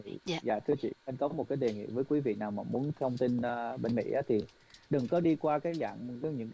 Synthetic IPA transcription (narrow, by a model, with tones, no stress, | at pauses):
zaː˨˩t̪ʰɨ˧ət͡ɕḭ˧˨a˧nkɔ˨˦mo˨˩t̚kaː˨˦jɗe˨˩ŋḭ˧˨vəː˨˦jkwi˨˦vḭ˧˨naː˨˩wmaː˨˩mu˨˦ənt̪ʰə˧wŋ͡mt̪i˧nː˧ɓe˧nmḭ˧˥ʔaː˨˦t̪ʰi˨˩ | ɗɨ˨˩ŋkɔ˨˦ɗi˧kwaː˧kaː˨˦jza̰ː˧˨ŋ˨zə˨˧ɲɨ̰˧˥ŋ